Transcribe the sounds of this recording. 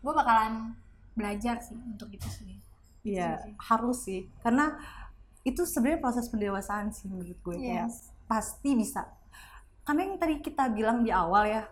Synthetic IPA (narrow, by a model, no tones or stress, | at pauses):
ɡuabakalanbəlad͡ʒarsɪhunt̪ʊk̚ɡit̪usiɪ | ijahaɾʊsːɪhkarəna | it̪usəbəɾɲapɾosɛspəndewasaːnsɪhuɾʊt̪̚ɡuɛkajapast̪ibisa̰ | karnajaŋt̪adikit̪abilaŋdiawalja